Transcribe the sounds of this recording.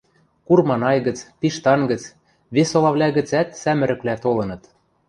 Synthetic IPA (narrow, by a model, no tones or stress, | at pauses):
kurmɑnɑjɣə̆t͡spiʃt̪ɑnɡə̆t͡s | βesolɑβlʲæɣɘ̆t͡sæt̪sæmɘ̆ɾɘ̆klæt̪olɤ̆nɤ̆t̪